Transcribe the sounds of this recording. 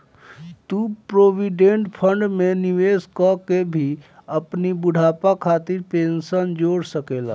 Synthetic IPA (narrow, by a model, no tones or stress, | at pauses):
t̪upɾobiɖẽɳʈpʰəɳɖmeniʋeskɔkːebʱiəpnibuɽʱapakʰat̪iɾpensənd͡ʒoɽsəkela̰